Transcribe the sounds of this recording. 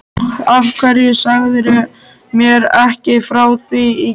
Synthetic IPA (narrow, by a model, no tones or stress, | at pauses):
afkʰvɛɾjɪsaɣðɪɾʏ | mjɛɾɛhcɪfɾaːwθii